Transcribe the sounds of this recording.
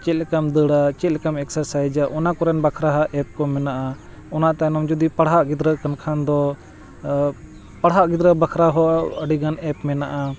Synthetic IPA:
t͡ʃɛt̪̚lɛkamd̪əɽat͡ʃɛt̪̚lɛkamɛksəɾsajd͡ʒaʔɔnakɔɾɛnbakʰɾaɦaʔɛp̚kɔmɛnaʔa | ɔnaʔt̪anɔmd͡ʒud̪ipaɽɦaʔɡid̪ɾəʔkənkʰand̪ɔ | paɽɦaʔɡid̪ɾəbakʰɾaɦɔəɖiɡanɛpmɛnaʔa

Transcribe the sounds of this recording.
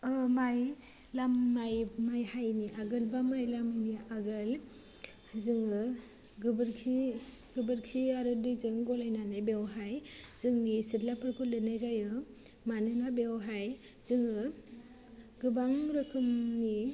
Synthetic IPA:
ɯmaj | lamːajmajhajniʔaɡɯlbamajlamajniʔaɡɯl | zɯŋɯ | ɡɯbɯɾkʰi | ɡɯbɯɾkʰiaɾɯdɯjzɯŋɡɔlajnanɯbewɦajz̥ɯŋnisitlapʰɯɾkʰɯlɯnajzajɯ | manɯnabewɦaj | z̥ɯŋɯ | ɡɯbaŋɾɯkʰɯmni

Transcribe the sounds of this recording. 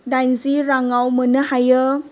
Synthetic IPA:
dajnziɾaŋawmənəhajə

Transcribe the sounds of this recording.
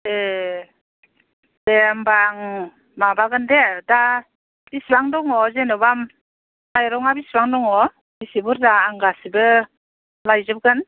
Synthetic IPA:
e | dembaŋ | mabaɡɯndeda | b̥isbaŋdɔŋɔzenɔbam | najɾɔŋabisbaŋdɔŋɔ | bisibuɾdaːŋɡasibɯ | lajzɯp̚ɡɯn

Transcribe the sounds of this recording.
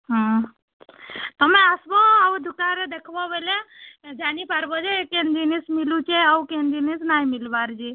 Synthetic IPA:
ɦã | t̪əmẽasboaʋd̪ʱukaɾed̪ekʰbɔʋeled͡ʒanipaɾbɔd͡ʒeekend̪inismilut͡ʃeaukend̪inisnaɦimilʋaɾd͡ʒi

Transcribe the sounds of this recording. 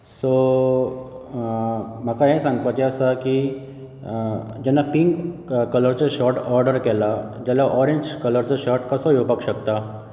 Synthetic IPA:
so | m̤akaɦesãŋɡt̪at̪eəsaki | d͡ʑɛnːapiŋɡkələɾt͡saɕɔʈɔɾɖəɾkɛlad͡ʑalaʔɔɾeɲd͡ʑkələɾt͡saɕɔɾʈkəsɔɦjopakɕəkt̪a

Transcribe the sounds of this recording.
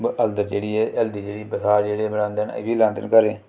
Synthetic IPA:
bəld̪əɾd͡ʒeːɽiːɛːʔɛld̪iːd͡ʒeːɽiːbəsaːd͡ʒeːɽeːbənãːnd̪eːnə̰biːlãːnt̪ə̰nkəɾeː

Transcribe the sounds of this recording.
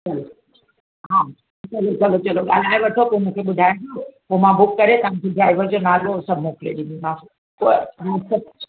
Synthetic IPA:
t͡ɕɐlo | ɦa | t͡ɕɐlot͡ɕɐlot͡ɕɐloɠa̰l̤aːẽʋɐʈʰopomũkʰeɓʊd̪ʱaːj̃t̪ãpomãbʊkːɐɾet̪ɐʋ̤ãkʰeɖɾaːɪʋəɾd͡ʑonaːlosɐbʱmoːkɪleɗinimã | poãsɐ

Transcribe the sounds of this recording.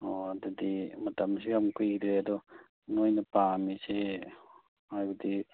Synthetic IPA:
oad̪ɐdimɐtɐmsiɡamkʰujɡid̪ɾeɐd̪ɔ | nojnɐpamise | ajbɐd̪i

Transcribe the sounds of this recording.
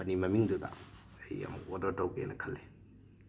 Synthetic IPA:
ɐnimɐmiŋdudɐ̰ | ɐjɐ̰mṵkodɐɾtɐwɡḛnɐkʰɐlːe

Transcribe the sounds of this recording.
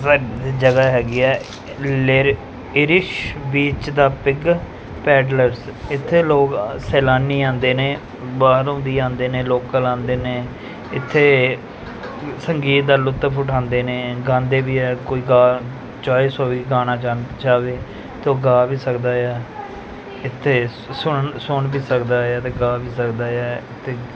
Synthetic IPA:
əd͡ʒəɡaːɦɛːɡiːɛː | l | ɪɾɪʃbiːt͡ʃd̪aːpɪɡ | pɛːɖləɾsɪt̪ʰːeːloːksɛːlaːniːãːnd̪eːnẽː | baːɦɾõːnd̪iːãːnd̪eːneːloːkkəlãːnd̪eːnẽː | ɪt̪ʰːeː | səŋɡiːt̪̚d̪aːlʊt̪ːpʰʊʈʰãːnd̪eːnẽːɡãːnd̪eːbiːɛːkoːiːɡaː | t͡ʃaːeːsɔːʋiːɡaːnãːt͡ʃad͡ʒaːʋeː | t̪õːɡaːbiːsəkd̪aːjaː | ɪt̪ʰːeː | sʊɳsʊɳbiːsəkd̪aːjaːt̪eːɡaːbiːsəkd̪aːaːɪt̪ʰːeː

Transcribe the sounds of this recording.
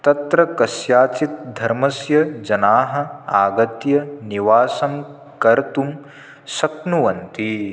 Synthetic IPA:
t̪ɐt̪ɾɐkɐsjaːt͡ʃit̪̚d̪ʱɐɾmɐsjɐd͡ʒɐnaːɦɐ̆aːɡɐt̪jɐniʋaːsɐm | kɐɾt̪um | sɐknuʋɐnt̪i

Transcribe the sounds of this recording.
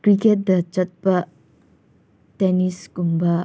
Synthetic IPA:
kɾiket̚dɐt͡ʃɐt̚pɐ | teniskumbɐ

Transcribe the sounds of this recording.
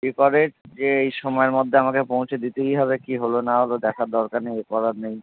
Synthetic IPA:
ikɔɾeʈd͡ʑeejʃɔmɔeɾmod̪ʱːeamakepõwt͡ɕʰed̪it̪ejɦɔβekiɦolonaɦolod̪ɛkʰaɾd̪ɔɾkaneekɔɾaɾnej

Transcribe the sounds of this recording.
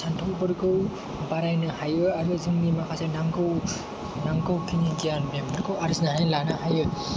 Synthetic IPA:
santʰɔwbɯɾɡɯw | baɾajnɯhajɯaɾɯzɯŋnimakʰasenaŋɡɯw | naŋɡɯwkʰiniɡijanmembɯɾɡɯwaɾznaɾajlanahajɯ

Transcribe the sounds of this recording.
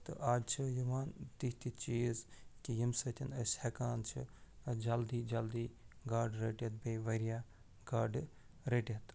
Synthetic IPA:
t̪ɨ̰ʔaːd͡ʒt͡ʃʰijuʋaːnt̪iɦt̪it͡ʃiːzkijimsɐt̪ʲʰinɐshekaːnt͡ʃʰḭd͡ʒɐld̪iːd͡ʒɐld̪iːɡaːɾɖɾeʈɐt̪̚beːʋɐɾijaː | ɡaːɖ | ɾeʈʲɐt̪

